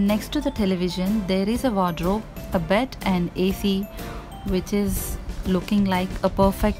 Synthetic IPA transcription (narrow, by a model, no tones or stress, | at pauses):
nɛksʈːud̪əʈɛlɪʋɪʒə̃nd̪eːɾɪzəʋɔːɖɾoːəbɛʈʰʔɛ̃ɳɖeːsi | ʋɪt͡ʃɪzlʊkɪ̃ŋlaɪkʰəpəɾfɛk̚ʈ